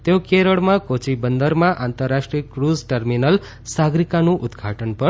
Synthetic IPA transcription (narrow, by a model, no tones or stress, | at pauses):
t̪jokeɾəɭmakot͡sibənd̪əɾmaʔant̪ərːaʂʈɾijəkrud͡zʈʌɾminʌl | saɡɾikanũʔud̪ɡʱaʈənpʌ